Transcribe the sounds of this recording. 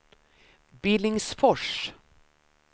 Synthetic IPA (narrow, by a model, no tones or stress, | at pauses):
bɪlɪŋsfɔʂ